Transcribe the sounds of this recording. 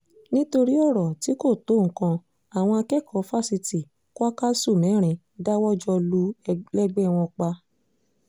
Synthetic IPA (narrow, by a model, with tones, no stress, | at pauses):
nĩ˦to˧ɾi˦ɔ˦˨ɾɔ˨ti˨˦ko˦˨to˨˦˨ŋ̩˨˦kã˧ | a˨w̃ɔ̃˧a˧kɛ˦˨kʰɔ˨˦fa˦˨si˧ti˨ | ko˦a˦ka˦su˦˨mɛ̃˨˦ɾ̃ĩ˨˧ | da˦wɔ˦d͡ʒɔ˧lu˦lɛ˦ɡ͡bɛ˦˧w̃ɔ̃˧k͡pa˧